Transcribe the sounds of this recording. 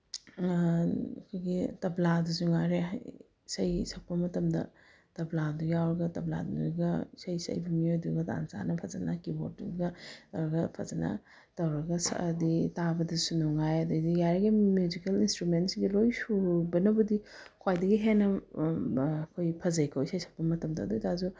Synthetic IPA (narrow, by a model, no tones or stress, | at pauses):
ɐkʰojɡitɐbladusuŋaɾea | sɐjsɐk̚pɐmɐtɐmdɐ̰ | tɐbladujawɾɐɡɐtɐbla̰duɾɡɐsɐjsɐ̰jbɐmiojduɡɐta̰nsa̰nɐpʰɐzɐ̰nɐkibo̰t̚duɡɐtɐwɾɐɡɐpʰɐzɐnɐ̰ | tɐwɾɐɡɐsa̰ditabɐdɐsunuŋajɐdɐɡdijaɾɐɡimjuzikelinstɾumentsiɡilojsubɐnɐbɐdikʰwajdɐɡiɦenɐ | kʰojpʰɐzɐjkʰowsɐjsʰɐk̚pɐmɐtɐmdɐːdujtazu